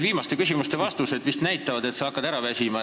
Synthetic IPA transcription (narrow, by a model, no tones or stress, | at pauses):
viːmɑst̪e̞kys̬ʲimust̪e̞vɑst̪use̞d̪̥vist̪næjt̪ːˑɑvɑd̪e̞t̪sɑɑkˑːɑd̪̥æɾɑvæsʲimɑ